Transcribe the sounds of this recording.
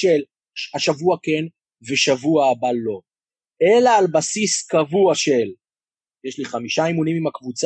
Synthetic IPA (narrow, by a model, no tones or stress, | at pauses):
el | aʃavuake̞n | veʃavuaːbalo̞ | e̞laːlbasiskavuaʃe̞l | jeʃliχamiʃaimunimimakvut͡s